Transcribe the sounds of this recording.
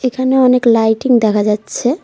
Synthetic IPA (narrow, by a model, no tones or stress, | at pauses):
ekʰaneɔneklajʈiŋd̪ɛkʰad͡ʑatːɕʰe